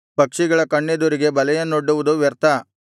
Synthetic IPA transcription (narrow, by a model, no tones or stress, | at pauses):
pɐkʂiɡɐɭɐkɐɳːed̪uɾiɡe̞bɐlɛjɐnːoɽːuʋud̪uʋɛɾt̪ʰɐ